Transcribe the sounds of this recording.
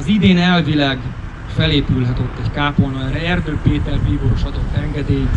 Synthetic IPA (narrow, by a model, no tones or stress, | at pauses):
ɒzid̪eːnɛlvilaːɡ | fɛleːpylɦɛt̪øt̪ːɛɟkaːpolnɒɾɛɛrd̪øːpeːt̪ɛrbiːɡoːɾoʃɒd̪o̞t̪ːɛŋɡɛd̪eːjit̪